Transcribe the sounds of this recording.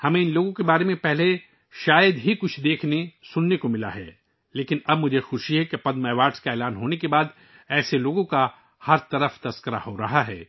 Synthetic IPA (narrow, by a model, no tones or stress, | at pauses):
hɐmẽɪnloːɡõkebaːɾemẽpɛɦle | ʃaːjəd̪ɦikʊt͡ʃʰd̪eːkʰnesʊnːekomɪla̰ɦɛ̰ː | leːkɪnɐb̚mʊd͡ʒʱexʊʃiɦɛkepɐd̪mɛːʋaːʈskaeːlaːnɦoːnekebaːd̪ | ɛːseloːɡõka | hɐɾt̪ɐɾəft̪ɐskəɾa̰ɦoɾɐɦaɦɛː